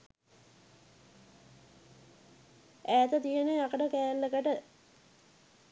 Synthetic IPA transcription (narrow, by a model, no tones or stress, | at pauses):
æːt̪ət̪ijeneakəʈəkæːlːəkəʈə